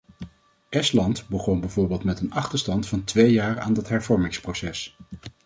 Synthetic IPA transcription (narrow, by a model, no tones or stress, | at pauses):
ʔɛstlɑntbəχɔnbɛvʊːɹbɪːlˠtmɛtənɑχtəɹstɑntfɑntʋejjaːra̰ːndɑtɦɛɹvɔɹmɪŋsprosɛs